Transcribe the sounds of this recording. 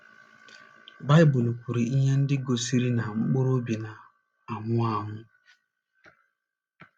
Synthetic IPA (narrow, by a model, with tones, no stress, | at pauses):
ba˦jbu˨lpu˨ɾi˨i˦ɲe˦n̩˦dɪ˦ɡo˨si˦ɾi˦na˨ŋ͡m̩˦k͡po˦ɾo˦bi˨na˨ | a˨mʊ˦a˦˨mʊ˦